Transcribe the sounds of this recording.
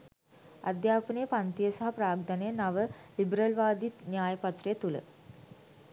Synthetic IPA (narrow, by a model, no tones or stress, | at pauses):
a̰d̪jaːpənijəpant̪ijəsaɦapɾaːɡ̚d̪anejənaʋəlibɾəlʋaːd̪it̪njaːjəpat̪rejət̪ulə̰